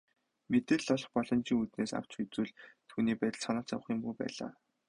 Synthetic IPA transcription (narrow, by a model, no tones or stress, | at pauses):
met̪ĕɮɔɮɞ̆χpɔɮɞ̆nt͡ɕiːŋut̪neːsa̰w̥t͡ɕxut͡suːɮt̪ʰuːniːpæːt̪ə̆ɮsanaːt͡sa̰wə̆χiːmpujpæ̰ːɮa̰ː